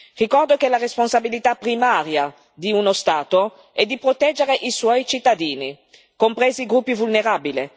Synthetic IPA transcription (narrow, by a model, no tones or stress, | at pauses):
rikɔrd̪okelaresponsabilit̪apɾimaːɾja | d̪iunost̪aːt̪o | ɛd̪ːipɾot̪ɛd͡ʒːeɾeʔiswɔjt͡ʃit̪ːad̪iːni | kompɾeːziːɡɾupːivulneɾaːbile